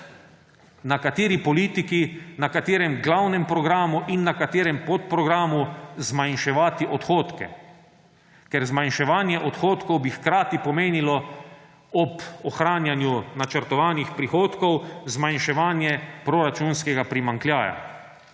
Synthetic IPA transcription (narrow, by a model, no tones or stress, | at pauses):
nakat̪eːɾipɔliːt̪ikinakat̪eːɾɛmɡlawnɛmpɾɔɡɾaːmuʔinːakat̪eːɾɛmpot̪̚pɾɔɡɾaːmuzmajnʃɛʋaːt̪iʔɔt̪xoːt̪kɛ̰ | kɛɾzmajnʃɛʋaːnjɛʔɔt̪xoːt̪kɔwbixkɾaːt̪ipɔmeːnilɔ | ɔpɔxɾaːnjanjunat͡ʃəɾt̪ɔʋaːnixpɾixoːt̪kɔwzmajnʃɛʋaːnjɛpɾoɾat͡ʃunskɛɡapɾimaŋklʲjaːja̰